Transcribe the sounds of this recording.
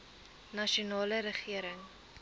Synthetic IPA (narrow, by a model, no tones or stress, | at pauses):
nɐʃunɑːləɾəχiəɾəŋ